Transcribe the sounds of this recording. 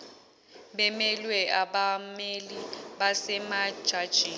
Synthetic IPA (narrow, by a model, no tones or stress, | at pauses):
bɛmɛlwɛʔaɓameliɓasɛmḁʒ̥ʱad̥ʒ̥ʱiː